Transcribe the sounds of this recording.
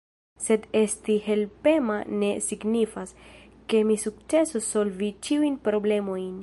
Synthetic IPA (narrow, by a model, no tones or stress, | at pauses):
se̞d̪e̞st̪ihe̞lpe̞mane̞siɡnifas | ke̞misuk̚t͡se̞soso̞lvit͡ʃiujnpɾo̞ble̞mo̞jn